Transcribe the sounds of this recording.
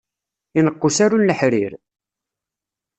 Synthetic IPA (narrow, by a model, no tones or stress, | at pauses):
inəqːusaɾunːəħɾiɾ